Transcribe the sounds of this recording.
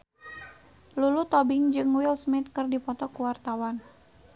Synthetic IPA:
lulut̪ɔbɪŋd͡ʒɨŋwilsmit̪̚kɨrdipɔt̪ɔkuwart̪awan

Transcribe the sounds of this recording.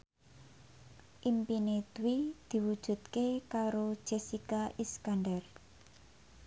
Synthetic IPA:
ʔimpinet̪wid̪̥i̤wud̥ʒ̥ṳt̪̚kekaɾo̥ʒ̥esikaʔiskanɖɛr

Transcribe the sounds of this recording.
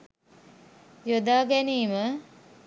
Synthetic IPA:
jod̪aːɡɛniːmə

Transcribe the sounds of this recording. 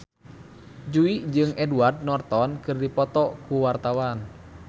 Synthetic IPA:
d͡ʒuid͡ʒɨŋɛduard̪̚nɔrt̪ɔnkɨrdipɔt̪ɔkuwart̪awan

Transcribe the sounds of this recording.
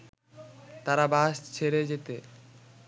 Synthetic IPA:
t̪aɾabaʃt͡ɕʰeɾed͡ʑet̪e

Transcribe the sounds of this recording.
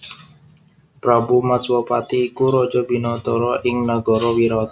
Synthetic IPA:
pɾabumaswɔpat̪iːkuɾɔ̥d͡ʒɔbi̤nɔt̪ɔɾɔʔɪŋnəɡɔɾɔwiɾɔt̪

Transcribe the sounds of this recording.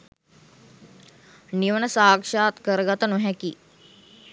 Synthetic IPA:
niʋənəsaːkʂaːt̪kəɾɡat̪ənuɦɛkiː

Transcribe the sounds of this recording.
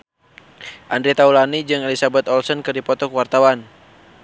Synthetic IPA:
ʔandɾit̪aulanid͡ʒɨŋɛlisabɛt̪ɔlsɔnkɨrdipɔt̪ɔkwart̪awan

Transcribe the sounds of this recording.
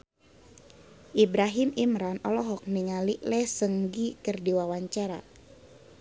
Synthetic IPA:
ʔibɾaɦimimɾanɔlɔɦɔk̚niŋaliʔlɛsəŋɡikərdiwawaɲt͡ʃaɾa̰

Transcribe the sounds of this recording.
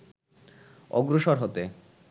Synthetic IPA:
ɔ̰ɡɾoʃoɾɦot̪e

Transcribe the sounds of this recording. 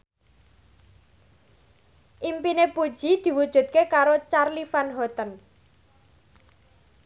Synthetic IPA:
ʔimpinepud̥ʒ̥id̪̥i̤wud̥ʒ̥ṳt̪̚kekaɾot͡ʃarlifanɦɔt̪ən

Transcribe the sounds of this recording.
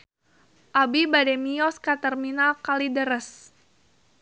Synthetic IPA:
ʔabibadɛmiɔskat̪ərminalkalidəɾəs

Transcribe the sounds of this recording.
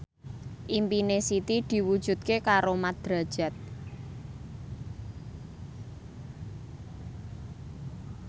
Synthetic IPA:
ʔimpinesit̪id̪̥i̤wud̥ʒ̥ṳt̪̚kekaɾomad̪̥ɾa̤̥ʒ̥a̤t̪̚

